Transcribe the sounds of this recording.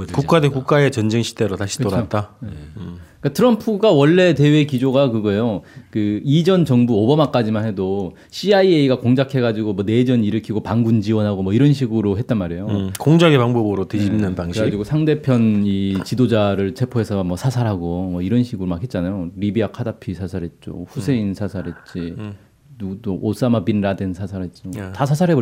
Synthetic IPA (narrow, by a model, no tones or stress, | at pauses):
kuk͈adekuk͈̚ae̞t͡ɕʌnd͡ʑeŋɕʰi̥teɾotaɕʰi̥tt͈oɾat͈a | k͈atʰɯɾʌmpʰuɡawʌɭːe̞te̞we̞kid͡ʑoɡakɯɡʌejokɯid͡ʑʌnt͡ɕʌŋbuobʌmak͈ad͡ʑimanɦe̞do | ɕʰiaieiɡakoŋd͡ʑakʰe̞ɡad͡ʑiɡomwʌne̞d͡ʑʌɲiɾɯkʰiɡopaŋɡund͡ʑiwʌnɦaɡomwʌiɾʌnɕʰiɡɯɾoɦet̚t͈anmaɾe̞jokoŋd͡ʑaɡepaŋbobɯɾoted͡ʑimnːɯntaŋɕaid͡ʑiɡosʰaŋde̞pʰjʌnit͡ɕidod͡ʑaɾɯɭt͡ɕʰe̞pʰoe̞sʰʌmwʌsʰasʰaɾɦaɡomʌiɾʌnɕʰiɡɯɾomakʰet̚t͡ɕ͈anajoɾibiakʰadapʰisʰasʰaɾɦe̞t̚t͡ɕ͈o̰ɸusʰe̞insʰasʰaɾɦe̞t̚t͡ɕ͈i | nuɡut͈oʔos͈amabinɾadensʰasʰaɾɦe̞t̚t͡ɕ͈otas̬ʰasʰaɾɦe̞bo